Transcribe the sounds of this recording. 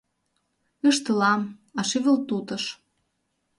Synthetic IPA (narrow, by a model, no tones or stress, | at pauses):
ə̆ʃt̪ə̆lɑmɑʃiβə̆lt̪ut̪ɤ̆ʃ